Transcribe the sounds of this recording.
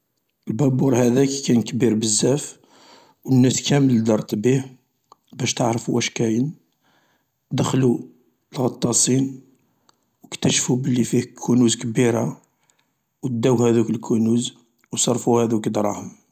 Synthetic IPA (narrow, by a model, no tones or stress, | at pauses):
ʔəlbæbuɾˤhæd̪ækkænkbiɾbəzːæf | wənːæskæməld̪ɑɾˤt̪ˤbih | bæʃt̪aʕɾfuʔæʃkæjən | d̪əxlu | lɣɑt̪ˤːɑsˤin | wəkt̪əʃfubəlːifihkʰːunuzkbiɾa | w̪̚d̪ːæwhæd̪ukəlkʰunuz | wsˤɑɾˤfuhæd̪ukd̪ɾˤɑ̰həm